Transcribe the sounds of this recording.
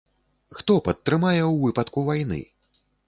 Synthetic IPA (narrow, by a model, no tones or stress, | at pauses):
xt̪ɔpɐt̪ːɾɨmajɛwvɨpɐt̪kuvajnɨ̰